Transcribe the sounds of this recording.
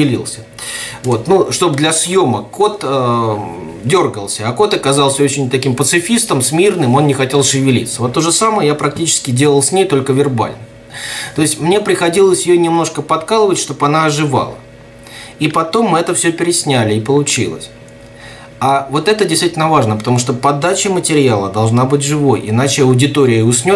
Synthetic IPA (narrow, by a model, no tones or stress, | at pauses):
ɪlʲḭlˠsʲə | vo̞t̪nuʂt̪o̞bd̪lʲɐsjo̞məko̞t̪ə | dʲo̞rɡəlˠsʲəɐko̞t̪ɐkɐzɑlˠsʲəo̞t͡ɕɪnʲt̪ɐkʲimpət̪sɨfʲist̪əmsmʲirnɨmo̞nnʲɪxɐtʲe̞lˠʂɨvʲɪlʲḭt̪səvo̞t̪ːoʐɨsaməjəjapɾɐk̚tʲit͡ɕɪ̥skʲɪdʲe̞lˠəlˠsʲnʲejt̪o̞lʲkəvʲɪrba̰lʲnəm | t̪o̞ɪsʲtʲmnʲe̞pɾʲɪxɐdʲilˠəsʲjɪjonʲɪmno̞ʂkəpɐt̪kalˠəvətʲʂt̪o̞bɐnaɐʐɨva̰lˠə̰ | ipɐt̪o̞mːɨɛt̪əfsʲɵpʲɪɾʲɪsʲnʲælʲɪːpəlˠʊt͡ɕḭlˠə̰sʲ | avo̞t̪ɛt̪ədʲɪjst̪vitʲlʲnəvaʐnəpət̪ɐmuʂt̪opɐd̪at͡ɕɪmətʲɪɾʲɪalˠəd̪ɐlˠʐnabɨt̬ʲʐɨvo̞jɪnat͡ɕɪɐʊdʲɪt̪o̞ɾʲɪjəʊsʲnʲot̪